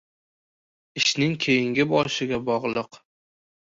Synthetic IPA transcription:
ɪʃnɪŋkʲʰejɪŋɡʲɪbɒʃɪɡʲabɒʁlˠɨq

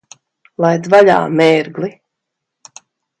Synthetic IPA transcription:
lˠajd̪vaʎa̰ːmɛːɾɡli

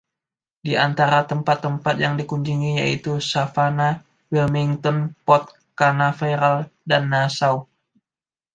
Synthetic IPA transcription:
diant̪aɾat̪əmpat̪ːəmpat̪̚jaŋdikuɲd͡ʒiŋijait̪usafana | wilmiŋt̪ɔnpɔt̪̚ | kanafajɾaldanːasaw

